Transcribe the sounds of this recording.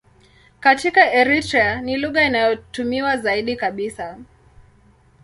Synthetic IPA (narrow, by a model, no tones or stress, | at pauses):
katikaɛɾitɾɛaniluɣainajɔtumiwazaiɗikaɓisa